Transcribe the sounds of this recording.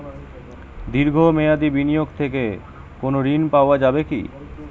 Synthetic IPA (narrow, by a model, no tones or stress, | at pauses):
d̪iɾɡʱomead̪ibinijoɡt̪ʰek̬e | konoɾinpaoad͡ʑabekḭ